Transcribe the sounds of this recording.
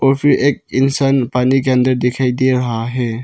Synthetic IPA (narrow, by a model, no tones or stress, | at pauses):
opʰiɾek̚insanpanik̬ɛndəɾdekʰajdeɾɦaɦe